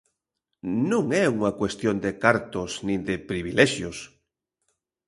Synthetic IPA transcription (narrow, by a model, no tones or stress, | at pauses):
nũŋɛuŋɐkwest̪jond̪ekaɾt̪osnĩnd̪epɾiβ̞ilɛʃjos